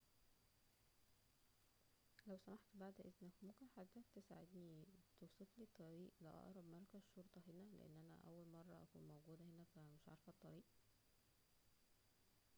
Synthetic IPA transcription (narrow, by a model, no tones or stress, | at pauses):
læwsæmaħt̪baʕd̪ʔeznækmukæħad̪ːæt̪esaʕed̪niːt̪owsˤet̪liːt̪ˤːɑɾiːʔleʔɑ̰ʔɾˤɑbmɑɾˤɑkæzʃoɾˤt̪ˤɑɦenælḛʔḛnːʔænæ̰ʔæ̰wːælmɑrˤːɑʔæ̰kṵːnmowɡuːd̪æhenæfæmeʃʕɑ̰ɾˤfɑt̪ˤːɑɾiːʔ